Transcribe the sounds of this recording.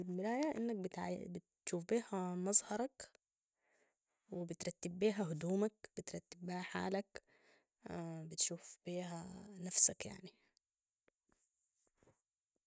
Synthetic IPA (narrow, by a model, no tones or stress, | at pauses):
ɪlmɪlaːjaʔɪ̰nːak̚bɪt̪ʕ̰bɪt̪ʃuːfbiːhamɑzˤhɑɾˤɑk | wɪbɪt̪ɾˤɑt̪ːɪbːiːɦaɦʊd̪uːmakb̥ɪt̪ɾˤɑt̪ːɪbːiːhaħa̰ːlak | bɪt̪ʃuːfb̥iːɦanafsakja̰ʕni